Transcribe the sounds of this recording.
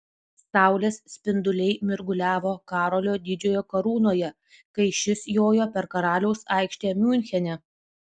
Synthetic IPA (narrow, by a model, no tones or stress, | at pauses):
sɑˑʊlʲeːssʲpʲɪnd̪ʊlʲɛɪmʲɪɾɡʊlʲæːʋoːkɑːɾoːlʲoːd̪ʲɪd͡ʒʲoːjoːkɐɾuːnoːjɛ | kɐɪʃʲɪsjoːjoːpʲɛɾkɐɾɑːlʲɛʊsɐˑɪkʃʲt̪ʲeːmʲuːnʲxʲɛnʲɛ